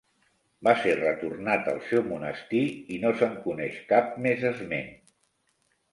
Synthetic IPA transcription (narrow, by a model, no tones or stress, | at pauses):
baserət̪urnat̪ə̰lˠsɛwmunəst̪iinosəŋkunɛʃkap̚mezəzmḛn